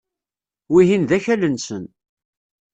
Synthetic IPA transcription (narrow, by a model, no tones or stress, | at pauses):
wiɦinðæçælənsən